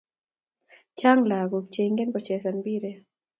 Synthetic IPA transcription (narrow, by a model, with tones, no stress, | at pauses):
t͡ʃa˦ŋla˨ɡo˨k̚t͡ʃeŋɡɛ˦npɔt͡ʃɛsanbi˦ɾɛ